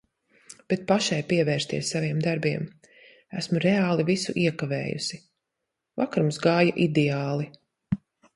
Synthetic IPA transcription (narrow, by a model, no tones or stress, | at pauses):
b̥ɛt̪̚paʃajpiɛvɛːɾst̪iɛsːaviɛmd̪aɾbiɛm | æsmuɾɛaːlˠivisuʔiɛkavɛ̰ːjṵsi | va̰kaɾumsɡaːjaʔid̪ɛaːlˠi